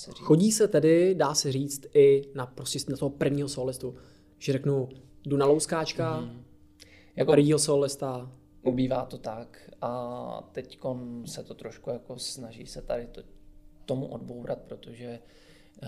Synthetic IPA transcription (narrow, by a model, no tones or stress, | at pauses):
ɛxoɟiːsɛt̪ɛdɪdaːsɛriːt͡st̪ɪnapɾoscɛsnat̪oɦopr̩vɲiːɦosoːlɪst̪u | ʒ̥ɛrɛknu | dunalowskaːt͡ʃka | jakopɾviːɦosoːlɪst̪a | ʔubiːvaːt̪ot̪akʔat̪ɛcko̞nsɛt̪ot̪ɾoʃkujakosnaʒḭːsɛt̪adɪt̪t̪omuʔodbowɾat̪̚pɾot̪oʒɛ